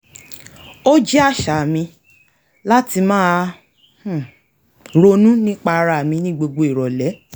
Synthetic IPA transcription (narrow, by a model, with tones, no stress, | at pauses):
o˦d͡ʒi˦a˦˨ʃa˨mĩ˧ | la˦ti˧mãː˦˨ | ɾo˧nũ˦nĩ˦k͡pa˦˧ɾa˧˨mĩ˧nĩ˦ɡ͡bo˧ɡ͡bo˧i˨ɾɔ˨lɛ˨˦